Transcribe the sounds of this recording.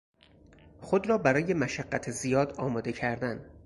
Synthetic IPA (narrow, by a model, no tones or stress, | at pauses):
xod̪ɾɒːbæɾɒːje̞mæʃæɡːæt̪ʰezijɒːd̪ɒːmɒːd̪e̞cʰæɾd̪æn